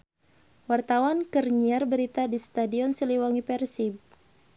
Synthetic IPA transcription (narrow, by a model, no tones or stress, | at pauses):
wart̪awankərɲiarbəɾit̪adist̪adiɔnsəliwaŋipɛrsib̚